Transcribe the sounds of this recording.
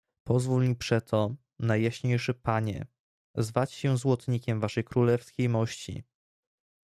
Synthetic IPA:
pɔzvulmʲipʂɛt̪ʰɔ | najːaɕɲejʂɘpaɲɛ̰ | zvat͡ɕɕɛ̃zwɔt̪ɲikʲɛmvaʂɛjkɾulɛfskʲejmɔɕt͡ɕḭ

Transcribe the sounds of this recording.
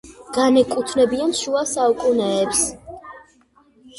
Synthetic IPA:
ɡ̥anɛkʼut̪ʰnɛbianʃuasaukʼunɛːps

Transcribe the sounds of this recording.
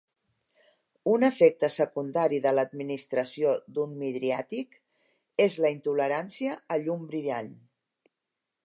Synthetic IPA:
unəfek̚t̪əsəkund̪aɾiðələd̪̚minist̪ɾəsiod̪unmiðɾiat̪ik | ezləint̪uləɾansiəːʎumbɾilaʎ

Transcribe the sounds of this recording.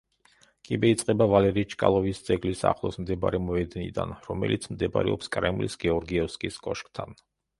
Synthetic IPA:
kʼibɛit̪sʼqʼɛbavalɛɾit͡ʃʰkʼa̰lˠɔvisd̪z̥ɛɡlisa̰χlˠɔsmd̪ɛb̰ɾɛmɔɛd̪nḭd̪a̰nɾɔmɛ̰lʔit̪sʰmd̪ɛba̰ɾɛ̰ɔpskʼɾɛmlḭsɡɛɔɾɡiɛfskʼiskʼɔʃkʼt̪ʰan

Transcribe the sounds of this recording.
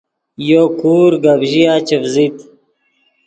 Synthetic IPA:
joːkuːɾɡabʑijaːt͡ɕefzit̪

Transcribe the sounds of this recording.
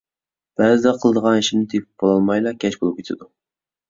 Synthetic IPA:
b̥æzɪd̪ɛqʰəlˠd̪əʁɑniʃinɪt̪ʰepɪb̥olˠɑlˠmɑjlˠɑkʲʰɛt͡ʃbolˠup̚kʲet̪ʰɪd̪u

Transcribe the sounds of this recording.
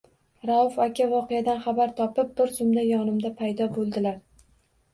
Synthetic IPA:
ɾaʊfakʲʰavɒqejad̪anχabaɾt̪ʰɒpɪp̚bɪɾsʊmd̪ajɒnɪmd̪apʰajd̪ɒbolˠd̪ɪlaɾ

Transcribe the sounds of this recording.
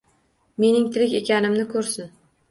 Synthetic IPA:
me̞nɪŋt̪ʰɪlɪkʲekʲanɪmnɪkʰɵɾsɪn

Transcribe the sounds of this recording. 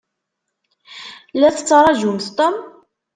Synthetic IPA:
læθət͡sːɾˤɑʒumθt̪ˤom

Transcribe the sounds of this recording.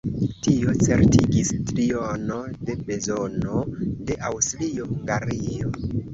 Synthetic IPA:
tio̞t͡se̞ɾtiɡistɾiono̞de̞be̞zonode̞ʔawstlio̞huŋɡaɾio

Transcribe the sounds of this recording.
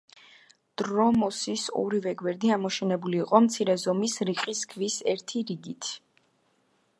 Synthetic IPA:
d̪̥ɾɔmɔsisɔ̰ɾivɛɡwɛɾd̪iamɔʃɛnɛbuliːqʼɔmt̪sʰiɾɛzɔmisɾiqʼiskʰvisɛɾt̪ʰiɾiɡit̪ʰ

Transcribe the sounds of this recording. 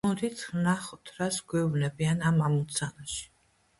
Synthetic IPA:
ɔd̪it̪snaχɔt̪ʰɾasɡwɛubnɛbianamamut̪sʰanaʃi̥

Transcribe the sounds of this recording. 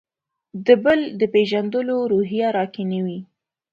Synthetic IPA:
d̪əbəld̪əpeʒand̪əloɾoɦijaɾɑkenəwi

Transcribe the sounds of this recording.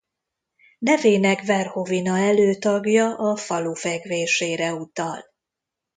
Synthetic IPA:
nɛveːnɛkvɛrhovinɒɛløːt̪ɒɡjɒʔɒfɒlufɛɡveːʃeːɾɛut̪ɒl

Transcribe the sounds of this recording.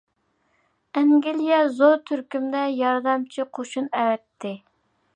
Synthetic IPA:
ɛŋɡʲelijɛzoɾt̪ʰyɾkʲymd̪ɛjɑɾd̪ɛmt͡ʃʰiqʰoʃunɛwɛt̪ʰːɪ

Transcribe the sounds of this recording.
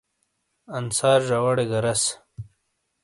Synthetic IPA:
ɐnsaːɾʐawɐɽeɡɐɾɐs

